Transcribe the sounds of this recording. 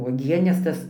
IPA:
uɔˈɡʲiɛnʲɛs ˈtɐs

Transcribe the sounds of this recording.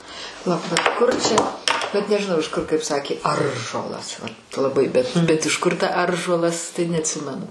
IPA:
pɐˈlˠɐʊk bʲɛt ˈkʊr t͡ʃʲɛ bʲɛt nʲɛʒʲɪˈnɐʊ ɪʃ ˈkʊr kɐɪp ˈsɑːkʲeː ˈɐrʒuɔlˠɐs ʋɐt lˠɐˈbɐɪ bʲɛt bʲɛt ɪʃ ˈkʊr tɐ ˈɐrʒuɔlˠɐs tɐɪ nʲɛɐtʲˈsʲɪmʲɛnʊ

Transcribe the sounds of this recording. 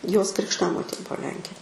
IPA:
joːs krʲɪkʃˈtɑːmoːtʲeː ˈbuɔ ˈlʲɛŋʲkʲeː

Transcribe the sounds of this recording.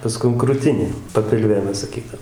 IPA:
pɐˈskʊm krʊˈtʲɪnʲeː pɐpʲɪlʲˈʋʲeː ˈmʲɛs sɐˈkʲiːdɐʋoːm

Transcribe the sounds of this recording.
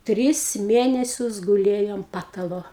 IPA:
ˈtʲrʲɪs ˈmʲeːnʲɛsʲʊs ɡʊˈlʲeːjoː ɐnt ˈpɑːtɐlˠoː

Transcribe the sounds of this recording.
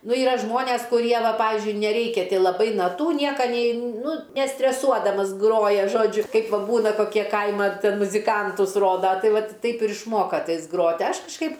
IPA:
ˈnʊ ˈiːrɐ ˈʒmoːnʲɛs kʊˈrʲiɛ ˈʋɐ ˈpɑːʋʲɪzʲd͡ʒʲʊɪ nʲɛˈrʲɛɪkʲɛ lˠɐˈbɐɪ nɐˈtuː ˈnʲiɛkɐ ˈnʲɛɪ ˈnʊ nʲɛsʲtʲrʲɛˈsuɔdɐmɐs ˈɡroːjɛ ˈʒoːd͡ʒʲʊ ˈkɐɪp ˈʋɐ ˈbuːnɐ koːˈkʲiɛ ˈkɐɪmɐ ˈtʲɛn mʊzʲɪˈkɐntʊs ˈroːdɐ ˈtɐɪ ˈʋɐt ˈtɐɪp ɪr ɪʃˈmoːkɐ ˈtɐɪs ˈɡroːtʲ ˈɐʃ kɐʃˈkɐɪp

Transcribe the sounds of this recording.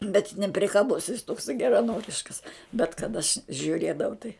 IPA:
bʲɛt nʲɛpʲrʲɪkɐˈbʊs jɪs ˈtoːksɐɪ ɡʲɛrɐˈnoːrʲɪʃkɐs bʲɛt kɐt ɐʃ ʒʲʊˈrʲeːdɐʋɐʊ tɐɪ

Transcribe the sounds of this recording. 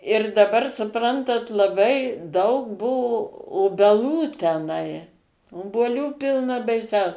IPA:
ɪr dɐˈbɐr sʊˈprɐntɐt lˠɐˈbɐɪ ˈdɐʊk ˈbʊʋoː oːbʲɛˈlˠuː tʲɛˈnɐɪ oːbuɔˈlʲuː ˈpʲɪlˠnɐ bɐɪˈsʲɛʊ

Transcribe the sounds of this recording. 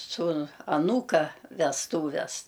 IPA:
ˈsuːnʊ ɐˈnuːkɐ ʋʲɛsˈtuːʋʲɛs

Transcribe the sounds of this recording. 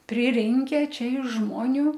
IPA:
pʲrʲɪˈrʲɪŋʲkʲɛ ˈt͡ʃʲɛ ɪʃ ˈʒmoːnʲʊ

